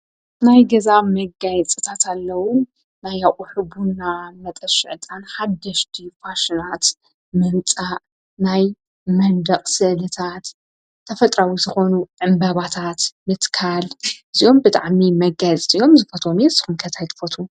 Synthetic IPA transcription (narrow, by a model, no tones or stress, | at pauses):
najɡɐzamɐɡajɛt͡sʼɨt̪ʰat̪ʰalːɐwʊnː | ajaʔʼʊħɨbunːamɐt̪ʼɐʃɪʕt̪ʼanħad̪ːɐʃt̪ʰifaʃinat̪ | mɨnt͡sʼa | naj | mɐnd̪ɐqʼsɨʔlɨt̪ʰat̪ | t̪ʰːɐfɐt̪ʼɾawizɨxo̞nuʕɨmbɐβat̪ʰat̪mɨt̪kʰalʔɨziʔo̞mbɨt̪ʼa̰ʕmimɐɡajt͡sʼt̪ʼijo̞mzɨfot̪ʰomjɛzɨxunkʰɐt̪ʰajt̪ʰfot̪ʰu